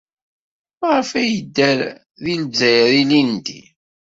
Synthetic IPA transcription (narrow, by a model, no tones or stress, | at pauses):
mʁfæjəd̪ːæɾ | ðinzːæjðinind̪ḭ